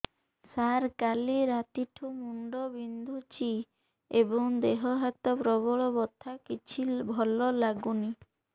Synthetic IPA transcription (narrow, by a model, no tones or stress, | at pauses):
saɾkaliɾat̪iʈʰumuɳɖɔbind̪ʱut͡ʃi | ebɔŋd̪eɦɔɦat̪ɔpɾɔbɔɭɔbɔt̪ʰːakit͡ʃʰibʱɔlɔlaɡuni